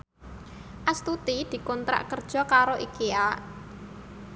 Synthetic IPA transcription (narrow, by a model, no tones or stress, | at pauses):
ʔast̪ut̪id̪̥i̤kɔnt̪ɾa̰ʔkərd̥ʒ̥ɔ̤kaɾoʔikia